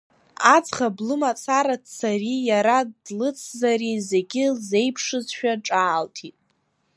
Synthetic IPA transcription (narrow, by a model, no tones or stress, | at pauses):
ad͡zχablɨmat͡sʰaɾadsarijaɾadlɨt͡sʰzaɾize̞ɡʲɪze̞jpʰʂɨzʃᶣaʈ͡ʂʼaːltʰitʼ